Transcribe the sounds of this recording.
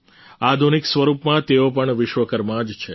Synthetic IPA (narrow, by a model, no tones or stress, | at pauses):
ad̪ʱuniksʋəɾupmãt̪eop̬əɳʋɪʃʋəkəɾmãd͡ʒt͡ʃʰe